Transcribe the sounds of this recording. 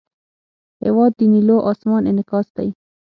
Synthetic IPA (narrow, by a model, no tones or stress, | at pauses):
hḛwɑːd̪ːiniloːʔɑsmɑːnɪnɪkɑːsd̪a̰j